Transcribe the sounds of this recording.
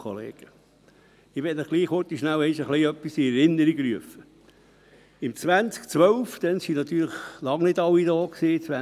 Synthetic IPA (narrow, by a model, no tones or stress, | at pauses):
ɔ̰lḛːɡ̥ə | ɪʋɛtnəχɡ̥liːχhʊt̪iʃnæwɛɪʃəχliœpːisiɛɾɪnːəɾiɡɾyəfə | ɪmt͡sʋænt͡skt͡sʋœʊfd̪̥ɛnsinɑt̪yːɾləχlɑŋnɪdɑwːid̪ɔːksiːt͡sʋæ